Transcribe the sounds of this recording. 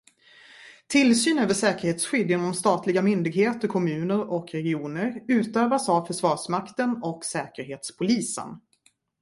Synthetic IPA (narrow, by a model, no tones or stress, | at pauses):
t̪ʰɪlsyːnøːvəʂɛːkəɾheːt̪sɧʏd̪jɪnɔmst̪ɑːt̪lɪɡamʏnd̪ɪɡɦeːt̪əɾkʰɔmʉ̟ːnəɾɔkɾɛɡɪuːnəɾʉ̟ːt̪øːvasavfœʂvɑːʂmakt̪ənɔksɛːkəɾɦeːt̪spʰʊliːsə̰n